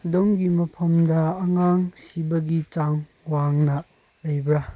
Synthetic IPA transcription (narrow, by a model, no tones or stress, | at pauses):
ɐdomɡimɐpʰɐmdɐːŋaŋsibɐɡit͡ʃaŋ | waŋnɐ | lɐjbɾa